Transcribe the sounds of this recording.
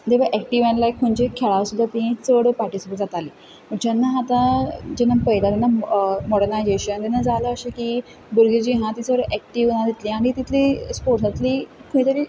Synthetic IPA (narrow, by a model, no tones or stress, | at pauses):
d̪ebaʔɛk̚ʈiʋãnlajkʰːuɳd͡ʑekʰeɭaʋəsud̪ʱːat̪iɦĩt͡səɽəpaɾʈisipəld͡zat̪ali | məɳt͡ɕanːaat̪ãd͡ʑenapəɦilat̪ɛnamɔɽənajzeɕənt̪ɛnːad͡zaləəɕiki | buɾɡid͡ʑiɦãt̪it͡səʋɽəʔɛk̚ʈiʋnad̪it̪lĩaɽ̃it̪it̪lispoɾʈsat̪likʰõɽĩt̪əɾiː